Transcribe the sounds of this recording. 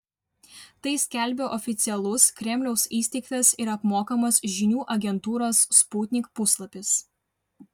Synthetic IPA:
t̪ɐɪsʲkʲælʲbʲoːʔɔfʲɪt̪sʲɪɛlˠʊskɾʲɛmʲlʲɛʊsiːsʲt̪ʲɛɪkt̪ʲɛsɪɾɐpmoːkɐmɐsʒʲɪnʲuːʔɐɡʲɛnt̪uːɾoːsːpuːt̪ʲnʲɪkpʊslˠɐpʲɪs

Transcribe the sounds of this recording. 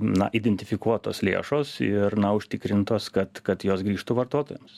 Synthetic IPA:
nɐ̰ʔiːd̪ʲɛnʲt̪ʲɪfʲɪkuɔt̪oːslʲḛːʃoːsɪrnɐʊʃʲt̪ʲɪkɾʲɪnt̪oːskɐt̪kɐt̪joːsɡɾʲiːʃt̪uʋɐrt̪oːt̪oːjɛms

